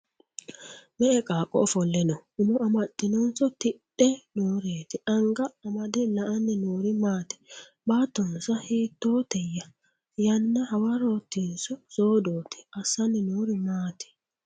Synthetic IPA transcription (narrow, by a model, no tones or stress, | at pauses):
mɛʔɛkʼaːkʼːɔ̰fɔlːɛnɔʊmɔʔɐmɐt̪ʼːɪnɔnsɔt̪ɪɗɛnoːɾeːt̪ɪʔɐŋɡɐːmɐd̪ɛlɐʔɐnːɪnuːɾɪmaːt̪ɛ̥ | baːt̪ːɔnsɐhiːt̪ːoːt̪ɛjːɐ | jɐnːɐhɐwɐɾoːt̪ːinsɔsoːd̪oːt̪ʰɛ̥ɐsɐnɪnuːɾɪmaːt̪ɛ̥